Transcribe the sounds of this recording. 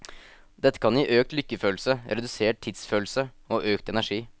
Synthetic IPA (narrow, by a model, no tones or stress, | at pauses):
d̪ɛt̪ːə̥kʰɑniːʔøːk̚t̪lʏkːəføːlsəɾɛd̪ʉseːʈ̚ʈʰtʰːɪd̪sføːlsə | oːʔøːkt̪ɛnæʂiː